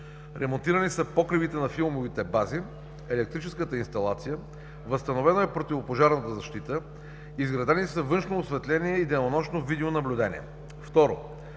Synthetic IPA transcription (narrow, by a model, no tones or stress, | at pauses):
ɾʔɛmont̪iɾɐnisəpɔkɾibit̪ɛnɐfilˠmovit̪ɛbazi | ɛlɛk̚t̪ɾit͡ʃɛskət̪əinst̪ɐlˠa̰t̪sijə | vəst̪ɐnovɛnoɛpɾot̪ivopoʒaɾnət̪əzɐʃt̪it̪ə | izɡɾɐd̪ɛnisəvɤnʃnoːsvɛt̪lɛniɛid̪ɛnonɔʃnovid̪ɛonɐblʲud̪ɛnḭɛ̰ | ft̪ɔɾo̰